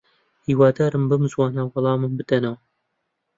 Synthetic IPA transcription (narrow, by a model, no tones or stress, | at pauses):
hiːwaːd̪aːɾɨmbɨmɨzwɑːnawɑlˠɑːmɨmbɨd̪ɐnɐw